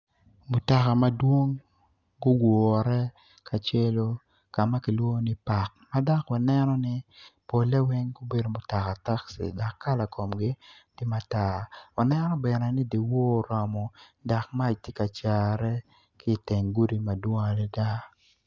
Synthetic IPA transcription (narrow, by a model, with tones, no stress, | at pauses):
mʊ˨ta˨ka˨ma˦dwo˦ŋ | ɡʊ˦ɡwɔ˨ɾɛ˦ | kʰa˨t͡ʃe˦lo˦ | ka˨ma˦kɪ˨lwo˦nɪ˦pa˨k̚ma˦da˦kwa˨nɛ˦nɔ˦nɪ˦po˨lɛ˦wɪ˦ŋɡo˦be˨do˨mʊ˨ta˨ka˨ta˦ksḭ˨da˨kːa˦la˨kʰo˨mɡɪ˦d̥i˦ma˦ta˨wa˨nɛ˦nɔ˦bɛ˨nɛ˨nɪ˦di˨wo˦˨ɾɔ˨mɔ˨da˨k̚ma˦i˨tje˦ka˨t͡ʃa˨ɾɛ˦ | kɪ˦˨te˨ŋɡu˦di˦ma˨dwo˦ŋa˨lɛ˦da˦